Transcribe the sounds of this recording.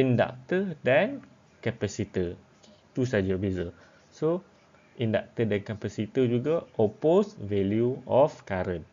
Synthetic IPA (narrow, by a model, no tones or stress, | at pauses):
ĩnda̰k̚t̪ədɛn | kɛpɛsit̪i | t̪usad͡ʒabezə | so | ʔindak̚t̪ədɛ̃nkapɛsit̪id͡ʒuɡaʔɔposvɛljuɔfkaɾə̃n